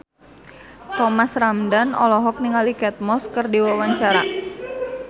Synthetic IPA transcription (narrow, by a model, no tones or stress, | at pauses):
t̪ɔmasramdanɔ̰lɔɦɔk̚niŋalikɛt̪̚mɔskɨrdiwawaɲt͡ʃaɾa